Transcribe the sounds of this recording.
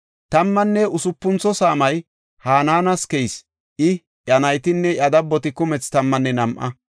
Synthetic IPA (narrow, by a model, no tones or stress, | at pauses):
t̪ɐmːɐnːɛʊsʊpːʊnt͡sːɔsaːmɐj | haːnaːnɐskɛjs | ʔɪ | ʔjɐnɐjt̪ɪnːɛʔɐd̪ɐbːɔt̪ɪkʊmɛt͡st̪ɐmːɐnːɛnɐmʔɐ̰